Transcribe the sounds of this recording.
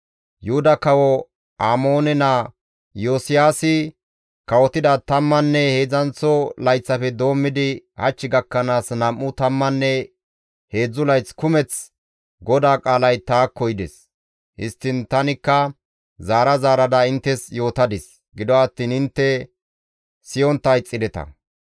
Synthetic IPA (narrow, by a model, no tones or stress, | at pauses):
jʊhʊd̪ɐkɐwɔ | aːmo̞ːnɛna | joːsɪjaːsɪ | kɐwɔt̪ɪd̪at̪ɐmːɐnːɛhe̞ːd͡zɐnt͡sːɔlɐjt͡sːɐfɛd̪o̞ːmːɪd̪ɪhɐt͡ʃːɪɡɐkːɐnaːsnɐmːʊt̪ɐmːɐnːɛ | he̞ːd͡zːʊlɐjt͡skʊmɛt͡s | ɡɔd̪aːkʼaːlɐjt̪aːkːɔjd̪ɛs | hɪ̰st̪ːɪnt̪ɐnɪkːɐ | zaːɾɐzaːɾɐd̪ɐɪnt̪ːɛsjo̞ːt̪ɐd̪ɪs | ɡɪd̪ɔɐt̪ːiːnɪnt̪ːɛ | sɪjɔnt̪ːɐjt͡sʼːɪd̪ɛt̪ɐ̰